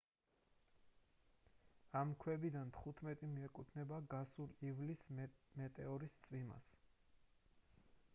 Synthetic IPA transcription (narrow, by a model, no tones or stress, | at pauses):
amkʰwɛbid̪ant̪ʰχut̪ʰmɛt̪ʼimiɛkʼut̪ʰnɛbaɡasuɾivlismɛt̪ʼɛɔɾist̪sʼvima̰s